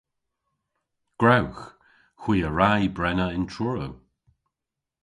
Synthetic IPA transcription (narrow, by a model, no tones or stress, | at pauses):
ɡ̥ɹawx | xwiːəɹajbɹɛnəɪntʰɹɔɹəw